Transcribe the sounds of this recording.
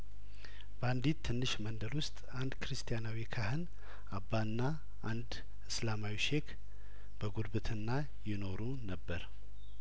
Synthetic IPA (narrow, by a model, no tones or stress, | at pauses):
b̥əand̪it̪ʰːɨnːɨʃmənd̪əlwʊst̪ʼand̪kʰɨɾɨst̪ʰijanawikʰahɨn | ʔabːaɨnːa | ʔand̪ | ɨslamawiʃe̞kʰ | b̥əɡuɾbɨt̪ʰɨnːa | jɪno̞ɾunəbːəɾ